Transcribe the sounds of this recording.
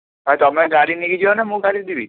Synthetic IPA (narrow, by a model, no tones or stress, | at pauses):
ɦajt̪ɔmeɡaɽiniɡid͡ʒiɔnamũɡaɽid̪ibi